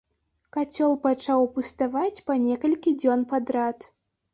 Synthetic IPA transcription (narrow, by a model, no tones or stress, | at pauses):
kat͡sʲɔlˠpat͡ʂawpust̪avat͡sʲpanʲɛkɐlʲkʲid͡zʲɔnpad̪ɾat̪